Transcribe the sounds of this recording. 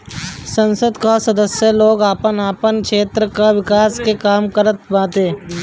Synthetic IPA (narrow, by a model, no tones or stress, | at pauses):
sə̃nsəd̪kasɐd̪əsjəloːɡaːpənaːpənkʃeːt̪ɾəkaʋɪkaːskekaːmkəɾət̪bãːt̪eː